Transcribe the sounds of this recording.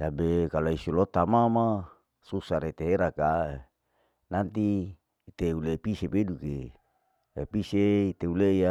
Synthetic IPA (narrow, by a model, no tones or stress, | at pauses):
sabekaloisulot̪amama | susaɾet̪eɦeɾaka | nant̪iː | t̪eulepisepeduke | episeit̪euleja